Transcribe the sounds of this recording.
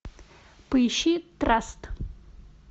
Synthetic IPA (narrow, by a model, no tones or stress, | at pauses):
pɨjʃit̪rast̪